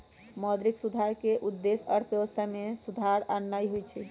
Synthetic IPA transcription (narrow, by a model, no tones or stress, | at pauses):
mɔd̪ɾiksud̪ʱaɾkeʔud̪ːesəɾt̪ʰbjeʋəst̪ʰamesud̪ʱaɾanːajɦojt͡ʃʰɛ